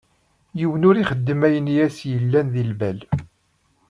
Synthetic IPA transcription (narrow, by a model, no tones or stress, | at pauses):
jiwənʊɾiχəd̪ːəmæjənjæsjəlːænðilbæl